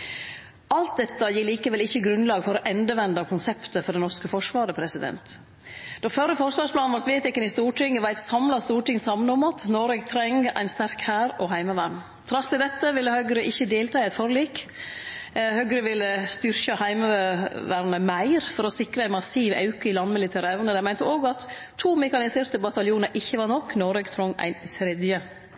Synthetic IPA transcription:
ʔɑlt̪̚d̪ɛt̪ːəjiːɭiːkəʋɛlɪçːəɡɾʉnlɑːɡfɔɾɔʔɛnd̪əʋɛnd̪ɑkʰʊnsɛpt̪əfɔɖɛnɔʂkəfɔʂʋɑːɾəpʰɾɛsɪd̪ɛ̰nt̪ | d̪̥ɔfœɾəfɔʂʋɑːʂspʰlɑːnʋɑɾt̪ʋeːt̪ɪkːənɪst̪uːʈɪŋːəʋæɪt̪sɑmlɑst̪uːʈɪŋsɑmənɔmɑt̪nɔɾɛɡt̪ʰɾɛŋæ̰ɪnst̪æɾkhæːɾɔɦæɪmɑʋæɾɳ | t̪ʰɾɑsɪd̪ɛt̪ːəʋɪlːəhœɡɾəʔɪçːəd̪eːlt̪ʰɑːæɪt̪fɔɾliːk | hœɡɾəʋɪlːəst̪ʏɾçɑhæɪməʋæɾnəmæɪɾfɔɾɔsɪkɾəæɪmɑsiːʋɑ̰ʉkəɪlɑnmɪlɪt̪ʰæːɾɛʋnəd̪æmæɪnt̪əoːɡɑt̪ʰː | uːmɛkɑnɪseːɾt̪əbɑt̪ɑljuːnəɾʔɪçːəʋɑɾɳɔkːnɔɾɛɡt̪ʰɾɔŋːæ̰ɪnsɾɪd̪jə

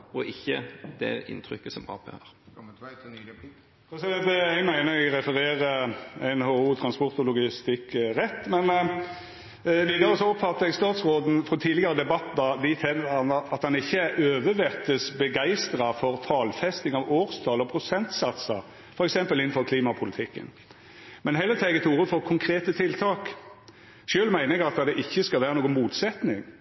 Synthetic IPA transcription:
ɔʔɪçːə̰d̪̥ɛ̰ɪ̰nt̪ʰɾʏkːəsɔmɑ̰ːpø̰ːəɾ | ɔsɛɛɛɡmæɪnəɾɛɡɾɛfəɾeːɾəæɪnhoːuːt̪ʰɾɑnspɔɾt̪ʊlʊɡɪst̪ɪkːʁɛt̪ːmɛn | ʋiːd̪ɑɾəsɔɔpfɑt̪ːəɛɡst̪ɑːt̪sʁoːd̪n̩fɔt̪ʰiːd̪lɪɡɑɾəd̪ɛbɑt̪ːɑd̪ɪt̪ʰɛləɑnɑt̪hɑnɪçːəæɾøːʋəʋɛʁt̪əsbəɡæɪst̪ɾɑfɔɾt̪ʰɑːlfɛst̪ɪŋɑʋoːʁst̪ʰɑːlɔpʰɾʊsɛnt̪sɑt̪sə̰ | fɔɾɛksɛmpəlɪnn̩fɔʁkʰliːmɑpʰʊlɪt̪ʰɪkːə̰n | mɛnɦɛlːət̪ʰæɡət̪ʰuːʁəfɔʁkʰʊŋkʰɾeːt̪ət̪ʰɪlt̪ʰɑːk | ʃøːlmæɪnəɛɡɑt̪d̪ɛʔɪçːəskɑlʋæːʁənoːɡənmuːt̪sɛt̪nɪŋ

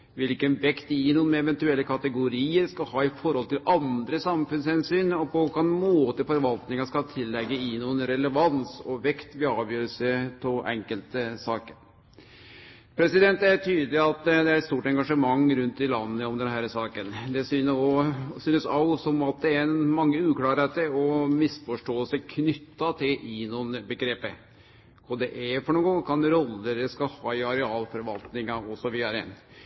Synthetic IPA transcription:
ʋɪlkənʋɛkt̪ɪɪnuːnɛʋɛnt̪ʉɛlːəkʰɑt̪əɡʊɾiːəɾskɑlhɑːɪfɔɾhɔlt̪ɪlʔɑnd̪ɾəsɑmfʉnshɛnsyːnɔpɔʋʊɾkɑnmoːt̪əfɔɾʋɑlt̪nɪŋɑʂkɑt̪ʰɪlːɛɡːəɪnuːənɾɛləʋɑnsɔʋɛkt̪ʋɪɑːbjøːɾəsət̪ʰɪlʔɛ̰ŋkəlt̪əsɑːkəɾ | pʰɾɛsɪd̪ɛnt̪æʈʰyːd̪lɪɑt̪d̪ɛæɾɛt̪st̪uːʈɛŋɡɑʂəmɑŋːɾʉnt̪d̪ɪlɑnːəɔmd̪ɛnhæːɾsɑːkənd̪ɛsyːnɔsyːnəsɑʊsɔmɑt̪̚d̪ɛæɾɛnmɑŋːəʉːklɑːɾɛt̪əɔmɪsfɔʂʈoːəlsəkʰnʏt̪ːɑt̪ʰɪlʔɪnuːnəbəɡɾeːpə | ɔd̪ɛʔæfɔɳuːənɡɔŋːkʰɑnɾɔlːəɾəskɑhɑːɪɑɾɛɑːlfɔɾʋɑlt̪nɪŋɑɔsɔʋiːd̪ɑɾəɛ̰n

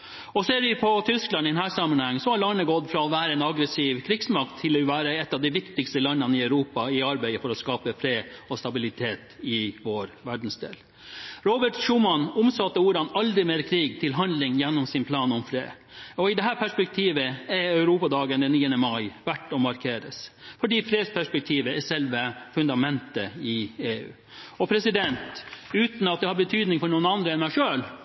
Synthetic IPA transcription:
ɔseːɾʋɪpʰɔt̪ʰʏsklɑnɪd̪ɛnhæːsɑmːənhɛŋːsɔhɑɾɭɑɳəɡɔt̪ːfɾɑɔʋæːɾəɛːnɑɡɾəsiːʋkʰɾɪɡsmɑk̚t̪ʰːɪlɔʋæːɾəɛt̪ːɑʋd̪ɪʋɪkt̪ɪkst̪əlɑnːənəɪœʉɾuːpɑɪɑɾbæɪəfɔɾɔskɑːpəfɾeːdɔst̪ɑbɪlɪt̪ʰeːt̪ɪʋoːɾʋæɖn̩sd̪ḛːl | ɾobəʈʂuːmɑnʊmsɑt̪ːəuːɾɑnɑld̪ɾɪmeːɾkʰɾiːɡ̚t̪ʰɪlɦɑnd̪lɪŋjɛnːɔmsɪnpʰlɑːnɔmfɾḛː | ɔɪd̪ɛɦæːɾpʰæʂpɛk̚t̪ʰiːʋəɛœʉɾuːpɑd̪ɑːɡənd̪ɛnːiːənəmɑɪʋæʈːɔmɑɾkʰeːɾəsfɔɖiːfɾeːspʰæʂpɛk̚t̪ʰiːʋəɛsɛlʋəfʉnd̪ɑmɛnt̪əɪeːʉ̰ː | ɔpʰɾɛsɪd̪ɛnt̪ʉːt̪n̩ɑt̪̚d̪ɛhɑɾbət̪ʰyːd̪nɪŋfɔɾɳuːnɑnd̪ɾəɛnmæɪʂøːl

